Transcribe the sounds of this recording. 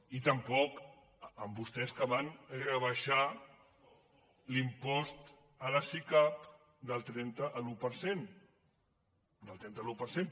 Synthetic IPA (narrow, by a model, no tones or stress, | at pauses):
it̪əmpɔk | əmbust̪ɛskəβanrəβəʃa | limpɔst̪ | ələsikap | d̪əlˠt̪ɾɛnt̪əʔːlupəɾsen | d̪əlˠt̪ɾɛnt̪əlupəɾsen